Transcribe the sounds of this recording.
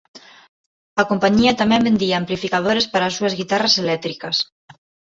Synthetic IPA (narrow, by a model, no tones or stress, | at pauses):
akompaɲiat̪amɛ̃mbend̪iaːmplifikað̞oɾespaɾasuɐzɣit̪araselɛt̪ɾikɐs